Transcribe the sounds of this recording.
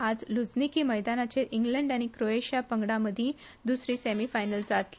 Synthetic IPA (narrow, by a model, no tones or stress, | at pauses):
ad͡zlud͡znikiːməjd̪anat͡ɕeɾʔiŋɡləɳɖañikɾoeɕijapəŋɡɽaməd̪ʱjĩ | d̪usɾiːsæmifajnəld͡zat̪li